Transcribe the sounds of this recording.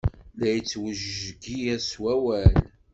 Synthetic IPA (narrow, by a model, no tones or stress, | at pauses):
læjət͡sːwəʒɡijæswæwæl